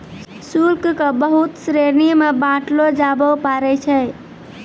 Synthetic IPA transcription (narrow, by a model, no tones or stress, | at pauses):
sulkkəbəɦut̪sɾenimebãʈlod͡ʒabəpaɾɛt͡ʃʰɛ